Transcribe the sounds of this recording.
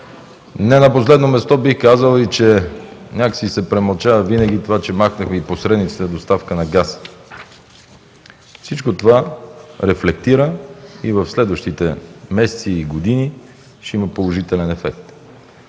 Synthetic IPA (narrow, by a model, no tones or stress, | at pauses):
nɛnɐposlɛd̪nomɛst̪ɔbixkazəlˠit͡ʃɛnʲakə̥sisɛpɾɛmɐlˠt͡ʃavəvinəɡ̟it̪ovat͡ʃɛmaxnəxmɛiposɾɛd̪nit̪si̥t̪ɛd̪ost̪afkənɐɡas | fsit͡ʃkot̪ovaɾɛflɛkt̪iɾəivəfslɛd̪vəʃt̪it̪ɛmɛsɛ̥t̪siːɡod̪ini | ʃt̪ɛiməpolˠoʒit̪ɛlɛnɛfɛk̚t̪